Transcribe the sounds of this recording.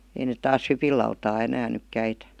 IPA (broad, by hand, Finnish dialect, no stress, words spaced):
ei net tɑːs hypilˑɑutɑː enæːn nyk kæitæ